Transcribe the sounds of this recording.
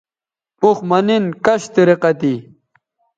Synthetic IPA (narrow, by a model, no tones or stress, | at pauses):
uxmɐninkɐɕt̪iɾeqɐt̪i